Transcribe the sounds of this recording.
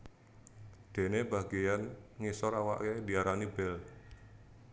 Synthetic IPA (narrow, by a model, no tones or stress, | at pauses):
d̪̥e̤nebaɡejanŋisɔɾawa̰ʔked̪iaɾanibɛl